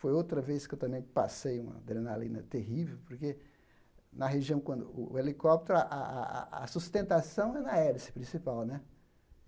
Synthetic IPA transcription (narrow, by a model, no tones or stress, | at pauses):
fojowt̪ɾɐveskewt̪ɐ̃mẽj̃pasejũmɐ̰d̪ɾẽnalḭ̃nɐ̰t̪eɦivewpoɾke | nɐɦeʒiɐ̃w̃kwɐ̃nd̪ʊelikɔp̚t̪eɾaʔa̰asust̪ẽnt̪asɐ̃w̃ɛnɐɛlɪsɪ̥pɾĩsipawnɛ